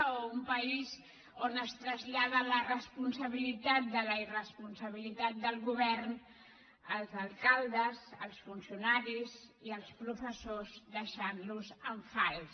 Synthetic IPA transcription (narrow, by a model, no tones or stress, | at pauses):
umpəiz | onəst̪ɾəzʎaðələrəspunsəβ̞ilit̪at̪̚d̪ələirəspunsəβ̞ilit̪at̪̚d̪əlˠɣuβɛrn | əlˠzəlˠkalˠd̪əzə̰lˠsfunsiunaɾiz | iəlˠspɾufəsozd̪əʃanluzəɱfalˠ